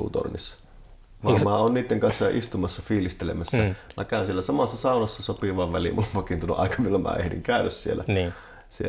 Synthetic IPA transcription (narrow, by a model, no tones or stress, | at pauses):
ṵt̪o̰rnisːɑ̥ | ʋɑˑmæˑoːnniːt̪ːeŋkɑnsːɑʔist̪umɑsːɑfiːlist̪elḛmæsːæmækæˑønsielːˑæsɑmɑsːɑsɑˑunɑsːɑsopiʋɑʋʋælḭmʔulːpɑkint̪uolːo̰ʔɑ̰ˑikɑʋilːɑmʔæ̰ːʔḛhdḭŋkæˑønːøssielːʔæ̰nː | sie